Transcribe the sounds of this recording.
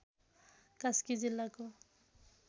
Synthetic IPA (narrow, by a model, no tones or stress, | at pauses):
kaskid͡zilːako